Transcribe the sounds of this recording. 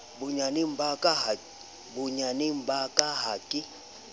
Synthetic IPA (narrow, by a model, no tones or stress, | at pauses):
buɲanimbakʼaɦa | buɲanimbʱakʼaɦakʼi